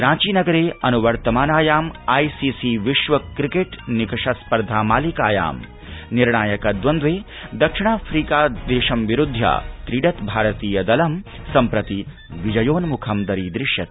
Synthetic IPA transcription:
pɾãːt͡ʃiːnɐɡɐɾeːɐnuʋɐɾt̪ɐmaːnaːjaːmɐjsiːsiʋiʃʋɐkɾikeʈnikɐʂɐspɐɾd̪ʱaːmaːlikaːja̰ːm | niɾɳaːjɐkɐd̪ʋɐnd̪ʋeː | d̪ɐkʂiɳaːfʰɾiːkaːd̪eːʃɐmʋiɾud̪ʱjɐ̰t̪ɾiɖɐt̪bʱaːɾɐt̪iːjɐd̪ɐlɐmsɐmpɾɐt̪i | ʋid͡ʒɐjoːnmukʰɐmd̪ɐɾiːd̪ɾɪʃjɐt̪

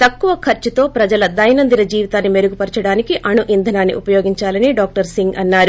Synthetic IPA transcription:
t̪ɐkːuʋɐkʰɐɾt͡ʃut̪o̞ːpɾɐd͡ʒɐlɐd̪ɐjnɐnd̪inɐd͡ʒiːʋit̪aːnːime̞ɾuɡupɐɾt͡ʃɐɽaːnikiʔɐɳuʔind̪ʱɐnaːnːḭʔupɐjoːɡiɲt͡ʃaːlɐniɖaːk̚ʈɐɾsiŋɡɐnːaːɾu

